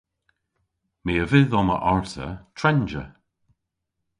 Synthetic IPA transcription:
meːəvɪðɔmə̰ʔɔɹtə̰t̪ʰɹɛnd͡ʒə̰

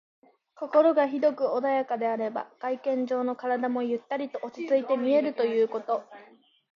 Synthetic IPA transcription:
ko̞ko̞ɾo̞ɡaçid̪o̞kɯ̟o̞d̪ajakad̪e̞aɾe̞ba̰ɡ̥aikẽ̞ɲ̟d͡ʑo̞ːno̞kaɾad̪amo̞jɯ̟t̪ːaɾʲit̪o̞ʔot͡ɕi̥t͡sɨit̪e̞mʲie̞ɾɯ̟t̪o̞jɯ̟ːko̞t̪o̞

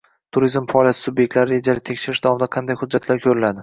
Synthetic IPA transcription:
t̪ʰʊɾizmfaɒlijat̪ʰɪsʊbjek̚ʲt̪laɾɪɾe̞d͡ʒalɪt̪ʰe̞kʲʃɪɾɪʃd̪avɒmɪd̪aqʰɑnd̪ajhʊd̪d͡ʒːat̪ʰlaɾkʲʰɵɾɪlad̪ɪ

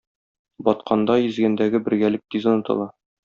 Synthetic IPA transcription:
bɒt̪qɑnd̪ɑjɘ̆zɡænd̪æɡɘbɘ̆ɾɡælɘk̚t̪izŏnɤ̆t̪ɤ̰lˠɑ

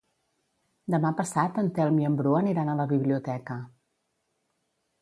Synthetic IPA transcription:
d̪əmapəsat̪ənt̪ɛlˠmiəmbɾuəniɾanələβiβliut̪ɛkə

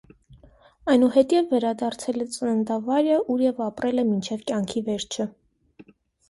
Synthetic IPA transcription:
ɑjnuhɛt̪jɛvːɛɾɑd̪ɑɾt͡sʰɛlɛt͡sʼənənd̪ɑvɑɾəʔuɾjɛvɑpɾɛlɛmint͡ʃʰɛvkjɑŋkʰivɛɾt͡ʃʰə

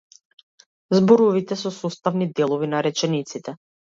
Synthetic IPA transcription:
zbɔɾɔvit̪ɛsɔsɔst̪avnid̪ɛlˠɔvinaɾɛt͡ʃɛnit̪sit̪ɛ

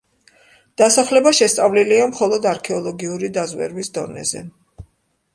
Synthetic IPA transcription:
d̪̥asaχlɛbaʃɛst̪sʼavliliamχɔlˠɔd̪aɾkʰɛɔlˠɔɡiuɾid̪azwɛ̰ɾwisd̪ɔnɛ̰zɛ̰

